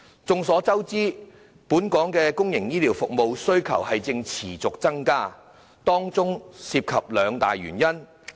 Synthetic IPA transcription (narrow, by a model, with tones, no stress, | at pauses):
t͡sʊ˨˧ŋsɔː˨˥t͡sɐ˥wt͡siː˥ | puː˨˥nkɔː˨˥ŋkɛː˧kʊ˥ŋjɪ˨˩ŋjiː˥liː˨˥wfʊ˨k̚mo˨wsɵ˥ɥkʰɐ̰˨˩whɐ˨jt͡sɪ˧ŋt͡sʰiː˨˩t͡sʊ˨k̚t͡sɐ˥ŋkaː˥ | t̪ɔː˥ŋt͡sʊ˥ŋsiː˧p̚kʰɐ˨p̚lœː˨˧ŋt̪a̰ː˨jɥy̰ː˨˩njɐ˥n